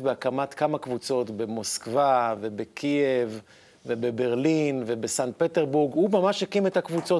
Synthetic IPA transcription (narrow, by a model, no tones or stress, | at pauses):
tbeakamat̪kamakvut͡so̞tbe̞mo̞skvave̞bekʰievː | ebebe̞ʁlinve̞besant̪pet̪eʁbuʁɡumamaʃhekimetakvut͡so